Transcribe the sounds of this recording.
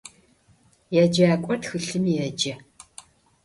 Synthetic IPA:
jad͡ʒaːkʷʼɔtxɨɬɨmjɛd͡ʒɐ

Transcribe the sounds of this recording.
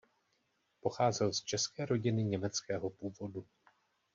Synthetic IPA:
po̞xaːzɛlst͡ʃɛskɛːɾo̞ɟɪnɪɲɛmɛt͡skɛːɦo̞puːvo̞du

